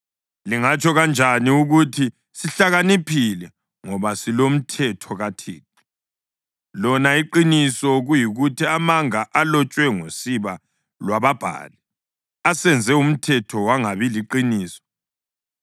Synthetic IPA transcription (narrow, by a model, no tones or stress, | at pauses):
liŋat͡ʃʰʼɔɣand͡ʒʱaniuɣutʰi | siɬaɣanipʰilɛ | ŋɔβasilom̩tʰɛtʰɔɣatʰiːt̚ʰi̥ | lɔnaiǃinisɔɣujiɣutʰiamaŋaʔalɔt͡ʃʼwɛŋosiβa | lwaβab̥ʱa̰ːlɛ | asɛnd͡zʱɛum̩tʰɛtʰɔwaŋaβiliǃiniːsɔ̥